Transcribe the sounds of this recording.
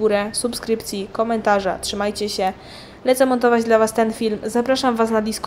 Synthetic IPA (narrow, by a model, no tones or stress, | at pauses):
uɾɛsupskɾɘpt̪sʲjikɔmɛnt̪aʐa̰tʂɘmajt͡ɕɛɕɛ | lɛt̪sɛmɔnt̪̬ɔvad͡ʑd̪lavast̪ɛnfʲilmzapɾaʂamvasnad̪ʲisk